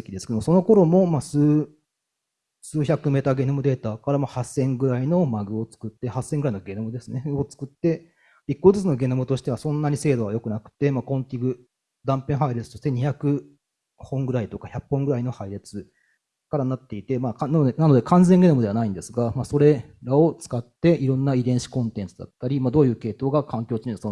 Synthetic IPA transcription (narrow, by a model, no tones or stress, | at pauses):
ekʲid̪esɨ̥ked̪omso̞no̞ko̞ɾo̞mo̞maːsɨː | sɨːçakɯ̟me̞t̪aɡe̞nɯmɯ̟d̪e̞ːt̪aːkaɾamahasːẽ̞ŋɡɯ̟ɾaino̞maɡɯ̟o̞t͡sɨ̥kɯ̟t̪ːe̞hasːẽŋɡɯɾaino̞ɡe̞nɯmɯd̪e̞sɨne̞o̞t͡sɨ̥kɯ̟t̪ːe̞ | ikːo̞t͡sɨt͡sɨno̞ɡe̞nomɯ̟t̪o̞ɕi̥t̪e̞βasõ̞nːaɲ̟ise̞ːd̪o̞βajo̞kɯ̟nakɯ̟̥t̪ːe̞maːkõ̞nt̪ʲiɡɯ̟ | d̪ãmpẽ̞ɰ̃ɦaiɾet͡sɨ̥t̪o̞ɕt̪e̞ɲ̟içakɯ̟ | hõ̞ŋɡɯ̟ɾait̪o̞kaçappːõ̞ŋɡɯ̟ɾaino̞haiɾet͡sɨ | kaɾanat̪ːe̞it̪e̞maːknaoenano̞d̪e̞kãnd͡zeŋɡe̞nomɯd̪e̞anaĩnd̪esɨɡamaːso̞ɾe̞ | ɾao̞t͡sɨ̥kat̪ːe̞ʔiɾõ̞nːaid̪ẽ̞ɰ̃ɕi̥kõ̞nt̪ẽ̞nt͡sɨd̪a̰t̪ːaɾʲimaːd̪o̞ːjɯ̟ːke̞ːt̪o̞ːɡakãŋkʲo̞ːt͡ɕiɲiso